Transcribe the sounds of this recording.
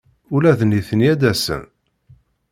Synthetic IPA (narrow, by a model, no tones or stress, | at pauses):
ʊlæðniθənijæd̪æsə̰n